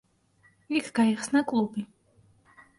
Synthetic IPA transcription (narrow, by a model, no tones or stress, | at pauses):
ikʰɡ̥aiχsnakʼlˠubi